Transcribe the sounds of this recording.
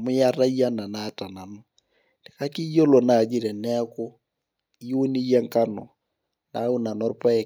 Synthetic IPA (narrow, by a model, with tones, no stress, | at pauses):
mʊ˦ja˦ra˦ja˦na˨na˨ta˨na˨nɔ˦ | ne˨ka˦ki˦jo˦lɔ˨na˨d͡ʒi˦ɾɛ˨nɛ˦ko˦ | jo˦ni˦jɛ˦ŋka˦nɔ˨ | na˨˦u˦na˨nɔ˦ɾpa˦ɛ˨